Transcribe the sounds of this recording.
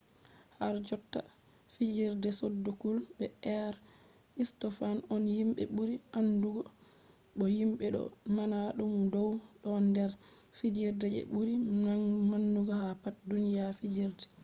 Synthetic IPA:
haɾd͡ʒɔtːa̰ | fid͡ʒiɾdɛsodːukulbɛɛɾ | istɔfanɔnhimɓɛ̰ɓuɾiʔanduɡɔ | ɓɔjimɓɛɗɔ̰manaɗumdɔwɗɔndɛɾfid͡ʒiɾdɛd͡ʒɛ̰ɓuɾinanmanːuɡɔhapat̚dunijafid͡ʒiɾdɛ

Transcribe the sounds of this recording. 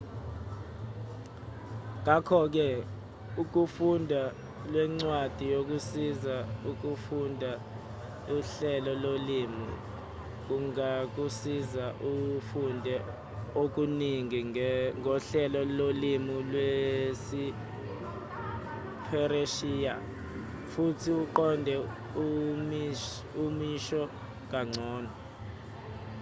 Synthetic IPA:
ŋ̬akʰɔk̬ɛ | uk̬ufundʱa | lwɛŋ͡ǀwad̥ʱijok̬usizauk̬ufundʱa | uɬɛlɔlolimṵ | k̬uŋak̬usizaʔufundʱɛ | ok̬ʼuniŋiŋɡʱɔɬɛlɔlolimulwesi | pʰɛɾeʃiːja | futʰiuǃɔndʱɛ | um | umiʃɔ | k̬ʼaŋ͡ǀʱɔːnɔ

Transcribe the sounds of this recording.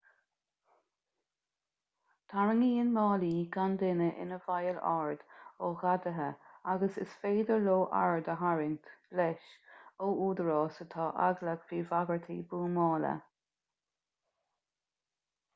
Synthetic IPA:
t̪ʰaɹəŋiːɪnmɑːliːɡand̪ɪnəʔɪ̰nəvajəla̰ɹd̪̥oːɣad̪əɦəaɡəsɪ̰sfeːd̪əɹloːʔa̰ɹd̪əɦaɹɪnt̪b̥lɛʃoːʔuːd̪əɹɑːsət̪ʰɑːʔa̰ɡləɡviːvaɡəɹt̪ʰiːbuːmɑːlə̰

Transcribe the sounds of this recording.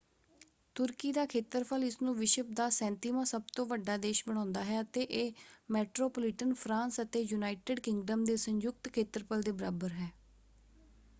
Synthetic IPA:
t̪ʊɾkiːd̪aːkʰeːt̪əɾpʰəlɪsnũːʋɪʃəp̚d̪aːsɛ̃ːnt̪iːmãːsəbt̪õːʋəɖːaːd̪eːʃbəɽ̃ãːnd̪aːɦɛːət̪eːʔeːmɛːʈɾoːpːlɪʈənpʰɾãːnsət̪eːjunaːɪʈɪːɖkɪŋɡɖəmd̪eːsəɲjʊk̚t̪kʰeːt̪əɾpʰəld̪eːbəɾaːbəɾɦɛː

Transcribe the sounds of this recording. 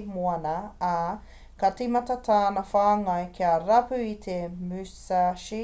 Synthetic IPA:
moɐnɐː | kɐtimɐt̪ɐt̪ʰaːnɐfaːŋɐjkʰiɐɾɐpʉit̪ʰemʉsaʃi

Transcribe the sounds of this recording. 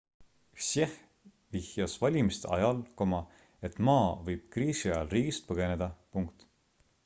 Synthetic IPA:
seh | vihjɑsvɑlʲimist̪eɑjɑlko̞mɑ | e̞t̪ˑmɑːvɤjb̥̚kriːsiɑjɑlriːɡist̪̚pɤɡ̥e̞ne̞d̪̥ɑpuŋkt̪

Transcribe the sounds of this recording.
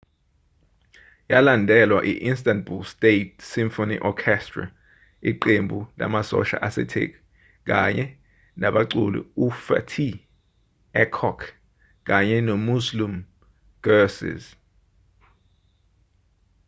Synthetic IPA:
jalandʱɛlwaʔiʔinstantbulstet̚siɱfoniʔɔkʰɛstra̰ | iǃembʱula̰masɔ̰ʃa̰ʔasɛ̰tʰḛk̬ʼi | k̬a̰ɲɛ | naɓaǀulṵufa̰tʰi | ɛkʰɔkʰ | k̬aɲɛnɔmuzlum | ɡ̥ɛsḭz

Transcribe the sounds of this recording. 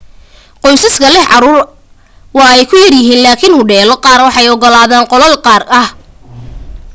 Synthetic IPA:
qɔjsɐskʰɐlɛɦʕɑɾuːr | wɑːɛjkʰʊjɐrjɪɦiːnlaːkʰɪnhʊɖɛːlɔqɑːrwɑħɑjɔɡɔlaːðaːnqɔlɐlqɑːrɐh

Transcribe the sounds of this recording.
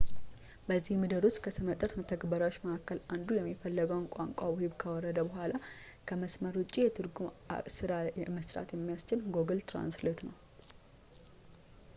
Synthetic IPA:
bəzːihmɨd̪əɾust̪ʼkʰəsɨmət̪ʼət̪mət̪ʰəɡbəɾawot͡ʃːməʔakːəland̪ujɛmːifəlːəɡəwnkʷʼa̰ŋkʷʼawhiβkʰəwɔrːəd̪əbəɦʷala | kʰəməsməɾut͡ʃʼːijɛt̪ʰɨɾɡuma̰sɨɾaməsɾa̰t̪jɛmːijast͡ʃɪlɡo̞ɡɨlt̪ɾa̰nslet̪nəw

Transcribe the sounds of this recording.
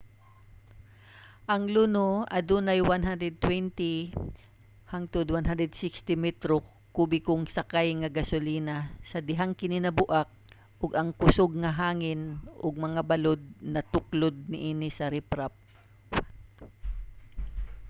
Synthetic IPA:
ʔɐŋlunoɐd̪unɐjwanɦand̪ɾɛd̪̚t̪wɛnt̪i | haŋt̪ʊd̪wanɦand̪ɾɛd̪sɪkst̪ɪmɛt̪ɾo | kuːbɪkʊŋsɐkajŋɐɡɐsʊliːnɐsɐd̪ɪɦaŋkɪnɪnɐbʊʔak̚ | ʔʊɡɐŋkʊsoɡ̚ŋɐɦaːŋɪnʔʊɡ̚mɐŋabɐlod̪̚nɐt̪ʊklod̪̚nɪʔiːnɪsɐɾɪpɾap̚

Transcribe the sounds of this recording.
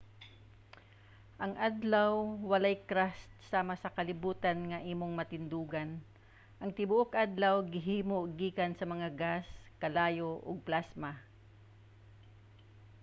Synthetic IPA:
ʔɐŋʔad̪lawːɐlajkɾast̪̚saːmɐsɐkɐlɪbuːt̪ɐnŋɐʔiːmoŋmɐt̪ɪnd̪uːɡɐn | ʔɐŋt̪ɪbʊʔok̚ʔad̪lɐwɡɪɦiːmoɡiːkansɐmɐŋaɡaskɐlaːjoʔo̰ɡ̚plasma

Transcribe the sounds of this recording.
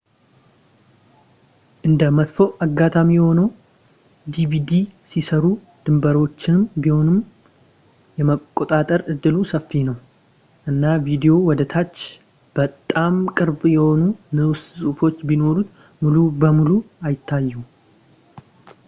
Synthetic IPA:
ʔɨnd̪əmət̪foʔaɡːat̪ʰʼamijɛho̞nəw | d̪iβid̪isisəɾu | d̪̥ɨmbəɾo̞t͡ʃːɪnmbiho̞nɨm | jɛməkʼːo̞t̪ʼat̪ʼəɾɨd̪ːɨlusəfːinəw | ʔɨnːavid̪jo̞wɔd̪ət̪ʰat͡ʃː | b̥ət̪ʼːamkʼɨɾbjɛho̞nunɨwssʼufo̞t͡ʃːbino̞ɾut̪ | mulubəmuluajɪt̪ʰːajːu

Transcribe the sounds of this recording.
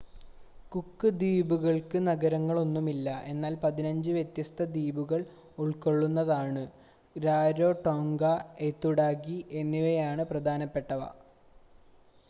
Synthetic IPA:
kukːɨd̪iːbuɣɐɭkɨnɐɡɐɾɐŋːɐɭo̞nːumilːɐʔe̞nːaːlpɐðinɐɲd͡ʑɨʋjet̪jɐst̪ʰɐd̪iːbuɣɐɭ | uɭko̞ɭːunːɐðaːɳɨ | ɾaːɾo̞ːʈoŋɡɐet̪ːuɽaːkːiʔenːiʋɐjaːɳɨprɐd̪ʱaːnɐpːe̞ʈːɐʋɐ̰

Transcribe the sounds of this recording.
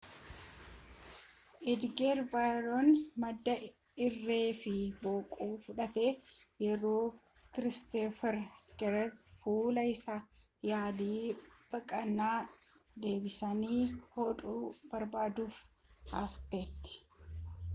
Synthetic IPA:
ʔɪd̪ɡeːɾbajɾonmɐd̪ːɐ | ɪrːe̞ːfɪboːkʼuːfʊᶑɐt̪eːjɛɾo̞ː | kɪɾɪst̪efɛɾskɛɾɛt̪fuːlɐɪsa | jaːd̪iːb̥ɐkʼɐnːaː | d̪e̞ːbɪsɐniːhɔt̪ʼuːbɐɾbaːd̪uːf | ha̰ːft̪eːt̪ːɪ̥

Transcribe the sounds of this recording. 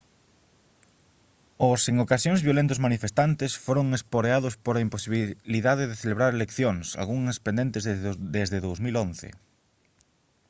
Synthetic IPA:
ʊseŋokasjoŋzβjolent̪ʊzmanifest̪ant̪ɪsfoɾoŋespoɾeaðʊspoɾaimposiβliðaðeðeθeleβɾaɾelekθjoŋsa̰ɣuŋɐspẽnd̪ent̪ezðd̪ezðeðowzmilon̟θḛ

